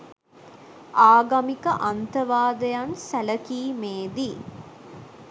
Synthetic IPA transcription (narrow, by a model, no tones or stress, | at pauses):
aːɡɐmikəʔant̪əʋaːd̪əjansæləkiːmeːd̪i